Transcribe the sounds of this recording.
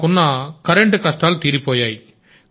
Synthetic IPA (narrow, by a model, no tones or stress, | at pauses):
ʊnːaːkɐɾɛɳʈɯkɐsʈaːlt̪iːɾipːoːjaːj